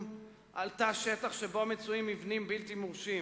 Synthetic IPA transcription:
ʔaltaʃetaχʃebo̞met͡suimivnimbiltimuʁʃi

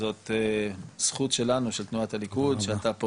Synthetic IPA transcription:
zo̞t̪esχutʃe̞lanuʃe̞lt̪nuatalikud̪ʃeatapo

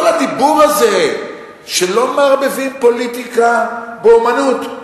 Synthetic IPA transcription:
kolhad̪ibuʁaze̞ | ʃelo̞meaʁbevimpo̞litikabeumanut

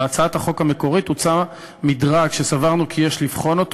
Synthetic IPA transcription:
at͡saat̪aχo̞khame̞ko̞ʁit̪ut͡sa | midʁakʃesavaʁnukʰijeʃlifχo̞no̞t̪

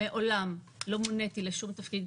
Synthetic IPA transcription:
eʔo̞lam | lo̞monet̪ileʃumt̪afkid̪̚

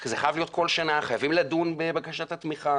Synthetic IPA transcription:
kzeχajavlijo̞t̚kʰo̞lʃanaχajavimladunbebakaʃat̪at̪miχa

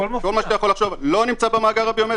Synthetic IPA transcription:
oko̞lmaʃt̪ajaχo̞laχʃovlo̞nimt͡sabemaːɡaʁabiome

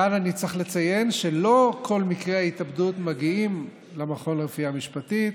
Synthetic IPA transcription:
ananit͡seχle̞t͡saje̞nʃe̞lo̞kʰo̞lmikʁehaitabdutmaɡiim | lemaχo̞nʁefiamiʃpatit

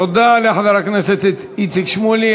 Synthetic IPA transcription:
od̪aleaħad̪aɾakneset̪e | it͡sikʃmuli

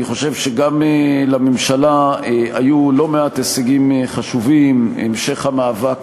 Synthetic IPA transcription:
niχo̞ʃe̞vʃeɡamelamemʃalaajulo̞me̞ateseɡimχaʃuvimḛmʃe̞χhamaːvak

